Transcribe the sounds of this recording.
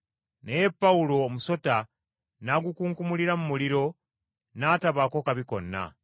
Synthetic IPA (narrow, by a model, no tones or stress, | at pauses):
neje̞pːaulo̞ːmuso̞ta | naɡukuːŋkumuliɾamumuliɾo̞ | naːtaβako̞kaβiko̞̰nːa̰